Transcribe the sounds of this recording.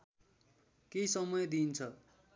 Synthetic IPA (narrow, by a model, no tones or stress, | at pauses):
keisʌmʌjd̪int͡sʰʌ